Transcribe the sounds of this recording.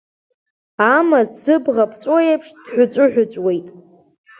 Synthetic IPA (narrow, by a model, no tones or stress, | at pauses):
amasɨbʁapʰt͡sʷʼojapʰʂd̥ħʷᶣʊt͡ɕʷʼʊħʷᶣʊt͡sʷʼwe̞jtʼ